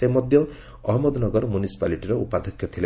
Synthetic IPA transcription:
emɔd̪ʱjɔ | ɔɦmɔd̪nɔɡɔɾɔmunisi̥paliʈiɾɔupad̪ʱɔkʰjɔt̪ʰile

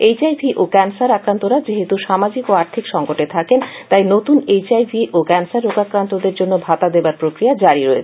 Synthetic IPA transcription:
ejt͡ɕajvʱiʔokɛnsaɾakɾant̪oɾad͡ʑeɦet̪uʃamad͡ʑikoaɾt̪ʰikʃɔŋkoʈet̪ʰakent̪ajnot̪unejt͡ɕajvʱiʔokɛnsaɾːokakɾant̪od̪eɾd͡ʑonːobʱat̪ad̪ebaɾpɾokɾijad͡ʑaɾiɾɔet͡ɕʰ

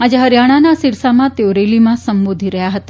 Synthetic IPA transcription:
ad͡ʒeɦəɾjaɽ̃anasiɾsamãt̪eoɾelimãsəmbod̪ʱiɾəɦjaɦət̪a

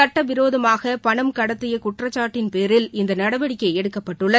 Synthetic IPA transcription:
ɐʈːɐʋɪɾoːðɐmaːɣɐpɐɳɐmkɐɽɐt̪ːɯjɐkʊʈrɐt͡ʃːaːʈːɪnpeːɾɪlɪnd̪ɐnɐɽɐʋɐɽɪkːɐɪɛɽɯkːɐpːɐʈːɯɭːɐ

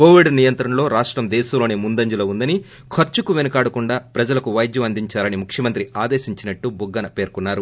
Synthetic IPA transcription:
ko̞ːʋiɖnijɐnt̪ɾɐnɐlo̞ːɾaːʂʈɾɐmd̪eːʃɐloːneːmund̪ɐɲd͡ʒulɐund̪ɐni | kʰɐɾt͡ʃukuʋenɐkaːɽɐkuɳɖaːpɾɐd͡ʒɐlɐkuʋɐjd̪jɐmɐnd̪iɲt͡ʃaːlɐnimukʰʂjɐmɐnt̪ɾiʔaːd̪eːʃiɲt͡ʃinɐʈːubuɡːɐnɐpe̞ːɾkunːaːɾu

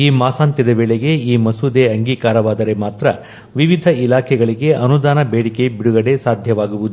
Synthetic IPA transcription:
iːmaːsaːnt̪jɐd̪ɐʋeːɭeɡe̞iːmɐsud̪eɐŋɡiːkaːɾɐʋaːd̪ɐɾe̞maːt̪ɾɐ | ʋiʋid̪ʱɐilaːkʰɛɡɐɭiɡe̞ʔɐnud̪aːnɐbeːɽike̞biɽuɡɐɽe̞saːd̪ʱjɐʋaːɡuʋud̪u

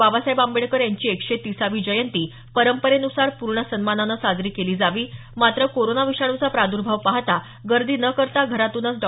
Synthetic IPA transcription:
abasajbambeɭkəɾjaɲt͡ɕiːekʂet̪isaʋiːd͡ʑəjənt̪iː | pəɾəmpəɾenusaɾpuɾɳəsənmananəsad͡zɾiːkeliːd͡zaʋiː | mat̪ɾəkoɾonaʋiɕaɽ̃ut͡sapɾad̪uɾbʱəʋpaɦt̪a | ɡəɾd̪iːnəkəɾt̪aɡʱəɾat̪uːnət͡sɖɔ

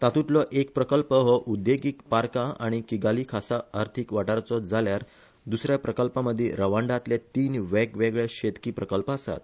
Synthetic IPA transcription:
t̪at̪uʈlɔʔekpɾəkəlpəɦɔʔud̪jeɡikpaɾkaaɽ̃ikiɡalikʰasaaɾt̪ʰikʋaʈaɾt͡sɔd͡zaljaɾ | d̪usɾjapɾəkəlpãməd̪ʱːjiɾəʋaɳɖat̪let̪iːnʋɛkʋeɡɭeɕet̪kiːpɾəkəlpəasa̰t̪̚

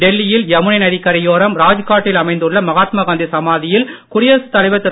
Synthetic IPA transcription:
ɖɛlːɪjɪljɐmɯɳɐnɐðɪkːɐɾɐjoːɾɐmɾaːd͡ʒɯkaːʈːɪlɐmɐɪnd̪ɯɭːɐmɐɣaːt̪maːɣaːnd̪isɐmaːðɪjɪlkʊɽɪjɐːsɯ̥t̪ːɐɭɐɪʋɐt̪ːɯ

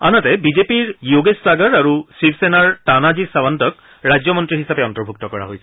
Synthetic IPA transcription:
anatɛbizepiɹjoɡesːaɡaɹaɹusipʰsenaɹtanazisabantɔk̚ | ɹajd͡ʑjɔmɔntɹiɦisapɛɔntɔɹbʱuk̚tɔkɔɹa̰ɦojsɛ̥

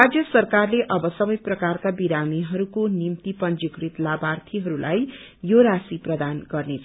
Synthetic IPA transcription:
ad͡zjʌsʌrkarleʔʌbʌsʌbʌjprʌkarkabiɾamiɦʌɾukonimt̪ipʌnd͡zikrɾit̪labart̪ʰiɦʌɾulʔa̰j | joɾasiprʌd̪anɡʌrnet͡sʰ

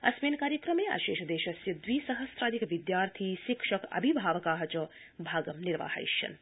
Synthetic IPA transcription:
ɐ̰smeːnkaːɾjɐkɾɐmeːa̰ːʃeːʃɐd̪eːʃɐsjɐd̪ʋiːsɐɦɐst̪ɾaːd̪ikʋid̪jaːɾt̪ʰiːʃikʃɐkɐ̰bʱibʱaːʋɐkaːɦɐt͡ʃɐ | bʱaːɡɐmniɾʋa̰ːhɐ̰jʃjɐ̰n

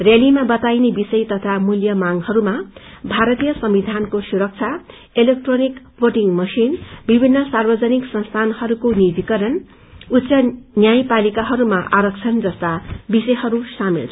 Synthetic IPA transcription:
rjelimabʌt̪ajnebisʌjt̪ʌt̪ʰamuljʌmaŋhʌɾuma | bʱaɾʌt̪ijʌsʌmbid̪ʱankosuɾʌk̚t͡sʰa | elek̚ʈronik | woʈiŋmʌsinbibʱinːʌsarbʌd͡zʌniksʌnst̪ʰanhʌɾukonid̪ikʌɾʌn | utːsʌnjajpalikaɦʌɾumaʔaɾʌk̚t͡sʰʌnd͡zʌst̪abisʌjɦʌɾusamḭl

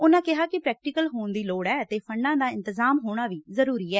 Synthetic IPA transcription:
ʊnãːkɪɦaːkɪpɾɛːk̚ʈɪkəlɦoːnd̪iːloːɽɛːət̪eːpʰəɳɖãːd̪aːɪ̃nt̪ɪzaːmɦoːɽ̃aːʋiːzəɾuːɾiːɛː

